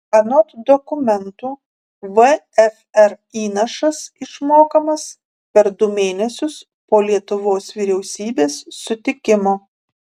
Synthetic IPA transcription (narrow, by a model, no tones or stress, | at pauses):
ɐnɔt̪d̪ɔkʊmʲɛnt̪uː | ʋə | ɛf | ɛɾ | iːnɐʃɐsɪʃmoːkɐmɐs | pʲɛɾd̪ʊmʲeːnʲɛsʲʊs | poːlʲiɛt̪ʊʋoːsʋʲiɾʲɛʊsʲiːbʲeːsːʊt̪ʲɪkʲɪmoː